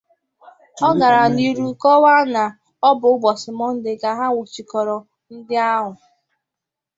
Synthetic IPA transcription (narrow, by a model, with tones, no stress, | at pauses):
ɔ˦ɡa˨ɾa˨ni˦ɾu˦kɔ˦wa˦na˨ | ɔ˦bʊ˨ʊ˦ɡ͡bɔ˨sɪ˨mɔ˦n̩˦dɪ˨ɡa˨ɦa˦wʊ˨t͡ʃi˨kɔ˨ɾɔ˨ | n̩˦dɪ˦a˦ɦʊ˨